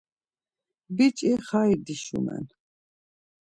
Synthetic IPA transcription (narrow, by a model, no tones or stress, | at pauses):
bit͡ʃʼiχaid̪iʃṵmɛ̰n